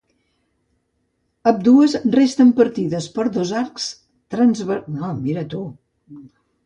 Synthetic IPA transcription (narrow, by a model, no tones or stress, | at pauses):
əp̚d̪uəzrest̪əmpəɾt̪iðəspəɾðozaɾks | t̪ɾənzβəɾnomiɾət̪u